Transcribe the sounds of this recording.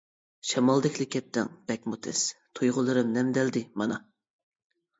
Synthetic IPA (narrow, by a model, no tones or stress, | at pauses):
ʃɑmɑlˠd̪ɪkʲʰlɪkʲʰːɛp̚t̪ʰɪ̰ŋb̥ɛk̚ʲmut̪ʰɛ̰st̪ʰujʁʊlˠɨɾɨmnɛmd̪ɛld̪ɪmɑnɑ